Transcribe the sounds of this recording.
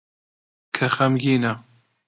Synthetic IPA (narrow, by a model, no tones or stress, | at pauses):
kʰɐxɐmɡiːnɐ